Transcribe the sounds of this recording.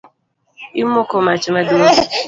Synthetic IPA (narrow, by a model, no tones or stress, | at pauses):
im̩okomat͡ʃemadu